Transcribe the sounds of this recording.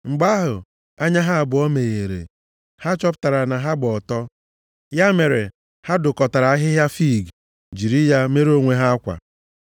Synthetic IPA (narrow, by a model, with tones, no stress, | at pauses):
ŋ͡m̩˨ɡ͡ba˦ɦʊ˨ | a˦ɲa˦ɦa˦a˨bʊ˨ɔ˦me˨je˨ɾḛ˨ | ha˦t͡ʃɔ˦pʊ̥˦ta˨ɾa˨na˨ɦa˦ɡ͡bɔ˨tɔ˦ | ja˦me˨ɾe˨ | ha˦dʊ˨kɔ˨ta˨ɾa˨a˦ɦɪ˦ɦja˦fi˦˨ɡ | d͡ʒi˨ɾi˦ja˦me˦ɾo˦ŋʷe˦ɦa˦a˦kʷa̰˨